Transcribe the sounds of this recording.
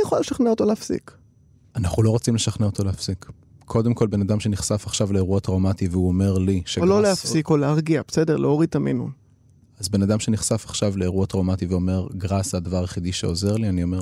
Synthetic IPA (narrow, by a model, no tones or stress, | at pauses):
ijeχolaleʃaχneot̪o̞leafsḭk | anaχulo̞ʁot͡simleʃaχneo̞t̪ʰo̞lehafsikʰː | o̞d̪emko̞lbe̞nad̪amʃe̞niχsafaχʃavleːʁuat̪ʁomat̪iveuome̞ʁliʃeollolehafsikolehaʁɡiab̥esedeʁleoʁit̪amḭnṵ | azbe̞nadamʃe̞niχsafaχʃavleːʁuat̪ʁomat̪iveo̞me̞ʁɡʁasadavaʁjeχid̪iʃeo̞ze̞ʁlianio̞meʁ